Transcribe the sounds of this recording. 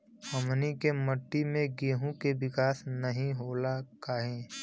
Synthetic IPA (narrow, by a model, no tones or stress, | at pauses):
həmnikeməʈːimẽɡeːɦũkeʋɪkaːsnɐɦĩɦoːlakaːɦẽː